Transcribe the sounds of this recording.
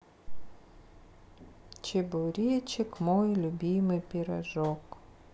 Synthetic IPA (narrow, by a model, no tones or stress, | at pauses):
t͡ʃɪbʊwɾʲijɛt͡ʃɪkmɔjilʲʊbʲijmɪpʲiɾɐʒɔk